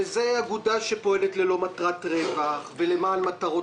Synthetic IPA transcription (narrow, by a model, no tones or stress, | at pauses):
ezeaɡudaʃe̞po̞elet̪lelo̞matʁatʁevaχve̞le̞maːnmataʁo̞